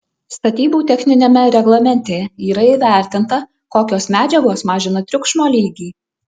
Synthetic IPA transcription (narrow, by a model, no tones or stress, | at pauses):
st̪ɐt̪ʲiːbuːt̪ʲɛxʲnʲɪnʲeːmʲɛɾʲɛɡlˠɐmʲɛnʲt̪ʲeiːɾɐiːʋʲæˑɾʲt̪ʲɪnt̪ɐ | koːkʲoːsmʲæːd͡ʒʲɛɡoːsmɑːʒʲɪnɐt̪ʲɾʲʊkʃmoːlʲiːɡʲiː